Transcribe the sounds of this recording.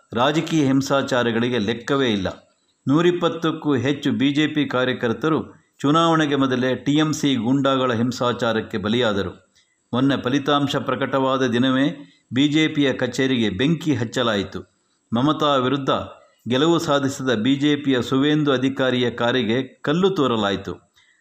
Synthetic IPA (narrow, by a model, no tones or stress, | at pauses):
ɾaːd͡ʒɐkiːjɐɦimsaːt͡ʃaːɾɐɡɐɭiɡelɛkːɐʋe̞ːilːɐ̰ | nuːɾipːɐt̪ːɐkːuːɦet͡ʃːubiːd͡ʒeːpikaːɾjɐkɐɾt̪ɐɾu | t͡ʃunaːʋɐɳɛɡemɔd̪ɐle̞ʈiemsiɡuɳɖaːɡɐɭɐɦimsaːt͡ʃaːɾɐkːe̞bɐlijaːd̪ɐɾṵ | monːe̞pɐlit̪aːmʃɐpɾɐkɐʈɐʋaːd̪ɐd̪inɐʋeː | biːd͡ʒeːpijɐkɐt͡ʃeːɾiɡe̞beŋkiɦɐt͡ʃːɐlaːjit̪u | mɐmɐt̪aːʋiɾud̪ʱːɐ | ɡɛlɐʋusaːd̪ʱisid̪ɐbiːd͡ʒeːpijɐsuʋeːnd̪uɐd̪ʱikaːɾijɐkaːɾiɡe̞kɐlːut̪ɔːɾɐlaːjit̪u